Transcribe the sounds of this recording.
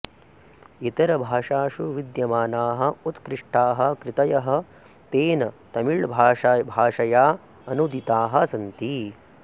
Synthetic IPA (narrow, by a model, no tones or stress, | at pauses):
it̪ɐɾɐbʱaːʂaːʃuʋid̪jɐmaːnaːɦɐut̪kɾɪʂʈaːɦɐ̆kɾɪt̪ɐjɐɦɐ̆ | t̪eːnɐt̪ɐmiɭbʱaːbʱaːʂɐjaː | ɐnud̪it̪aːɦɐ̆sɐnt̪i